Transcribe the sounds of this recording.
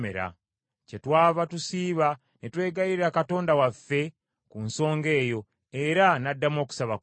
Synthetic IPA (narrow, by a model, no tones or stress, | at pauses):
ḛɾa̰ | cetwaːβatusiːβa | netwe̞ːɡajiɾiakato̞ːndawafːe̞ | kunso̞ːŋɡe̞ːjo̞ | eɾanadːamo̞ːku̥saβa